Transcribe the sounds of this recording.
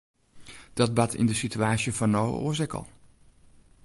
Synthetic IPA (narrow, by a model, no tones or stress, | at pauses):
d̥ɑd̚bɑtʰɪ̰ndəsityaːsjəvɑnːowə̰ʔo̰ːzɛkə̰lˠ